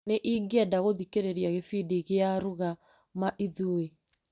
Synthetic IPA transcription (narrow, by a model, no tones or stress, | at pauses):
neʔiːɡɛdaɣoðikeɾeɾiaɣefidiɣeaɾoɣa | maʔiðue